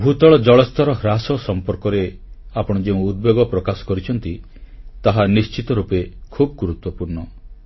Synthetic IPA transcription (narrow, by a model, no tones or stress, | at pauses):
bʱut̪ɔɭɔd͡ʒɔɭɔst̪ʰɔɾɔɦɾasɔsɔmpɔɾkɔɾeapɔɽ̃ɔd͡ʒeũːd̪̚beɡɔpɾɔkasɔ̥kɔɾit͡ʃʰɔnt̪i | t̪aɦanist͡ʃit̪ɔɾupekʰubɔɡuɾut̪wɔpuɾɳɔ